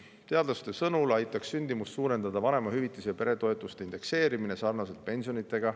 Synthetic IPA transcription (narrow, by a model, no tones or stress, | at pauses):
t̪e̞ɑd̪lɑst̪e̞sɤnulɑjt̪ːˑɑksynʲd̪̥imust̪suːɾe̞nd̪̥ɑd̪̥ɑvɑne̞mɑhyvit̪ːˑusejɑpe̞ɾe̞t̪o̞e̞t̪ˑːust̪e̞ind̪̥e̞kse̞ːɾimine̞sɑrnɑse̞lt̪̚pe̞nʲsijo̞nit̪ːˑe̞ɡ̥ɑ